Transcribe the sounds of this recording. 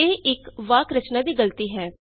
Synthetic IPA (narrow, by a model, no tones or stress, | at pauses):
eːʔɪkʋaːkɾət͡ʃnãːd̪iːɡəlt̪iːɦɛː